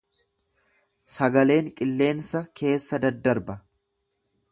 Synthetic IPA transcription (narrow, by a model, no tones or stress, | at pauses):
sɐɡɐle̞ːŋkʼɪlːe̞ːnsɐkʰe̞ːsːɐd̪ɐd̪ːɐɾbɐ